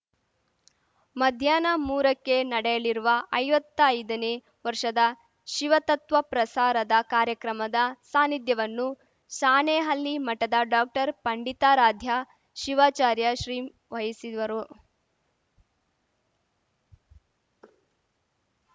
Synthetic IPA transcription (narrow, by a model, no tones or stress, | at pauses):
mɐd̪ʱjaːnɐmuːɾɐkːe̞nɐɽɛjɐɭiɾuʋɐʔɐjʋɐt̪ːɐɐjd̪ɐne | ʋɐɾʂɐd̪ɐ | ʃiʋɐt̪ɐt̪ʋɐpɾɐsaːɾɐd̪ɐkaːɾjɐkɾɐmɐd̪ɐsaːnid̪jɐʋɐnːu | ʃaːneːɦɐlːimɐʈːɐd̪ɐɖaːk̚ʈɐɾpɐɳɖit̪aːɾaːd̪ʱja | ʃiʋaːt͡ʃaːɾjɐʃɾiː | ʋɐjisiʋɐɾu